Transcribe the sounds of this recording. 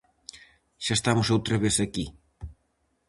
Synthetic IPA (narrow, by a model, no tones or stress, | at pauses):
ʃaest̪amʊsowt̪ɾɐβesɐki